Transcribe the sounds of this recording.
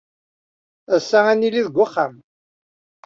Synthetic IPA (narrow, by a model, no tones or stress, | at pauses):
æsːææniliðəɡʷaχːa̰m